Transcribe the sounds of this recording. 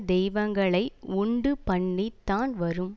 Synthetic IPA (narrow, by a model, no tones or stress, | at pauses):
d̪ɛjʋɐŋɡɐɭɐɪʊɳɖɯpɐɳːit̪ːaːnʋɐɾɯm